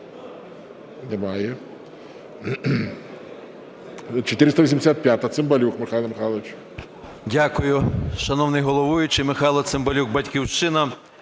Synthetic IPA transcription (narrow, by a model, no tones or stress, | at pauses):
nemɑjɛ | t͡ʃɔt̪ɪɾɪst̪ɐʋisʲimdʲɪsʲat̪̚pʲjat̪ɐt̪sɪmbɐlʲukmɪxɑlˠɐmɪxɑlˠɐʋɪt͡ʃ | dʲakʊjʊʃɐnɔwnɪjɦɔlˠɔʋujʊt͡ʃɪmɪxɑjlˠɐt̪sɪmbɐlʲuɡbɐtʲkʲiwʃt͡ʃɪnɐ